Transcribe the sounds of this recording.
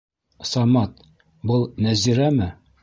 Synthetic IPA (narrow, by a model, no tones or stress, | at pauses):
sɑmɑt̪ | bɤlˠnæziɾæmɘ